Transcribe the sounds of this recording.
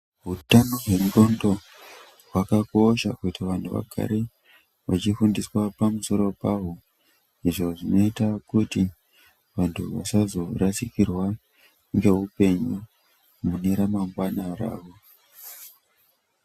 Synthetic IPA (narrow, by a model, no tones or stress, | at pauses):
ɦutano̞ɦwe̞mro̞ndo̞ | ɦwakako̞ʃa̰kutiʋantʰuʋa̰ɡʱa̰ɾe | ʋat͡ʃifundiswapamuso̞ɾo̞paɦo | iʐo̞ʐino̞itakuti | ʋantʰuʋa̰sazo̞ɾasikirwa | ŋɡe̞ɦupe̞ɲu | muneɾamaŋɡwanara̰ːʋo̞